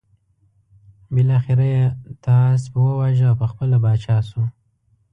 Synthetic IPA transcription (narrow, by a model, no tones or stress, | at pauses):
bɪlɑxɪɾajet̪ʰɑs̬bəwəwɑʒawpəxpəlabɑt͡ʃɑsu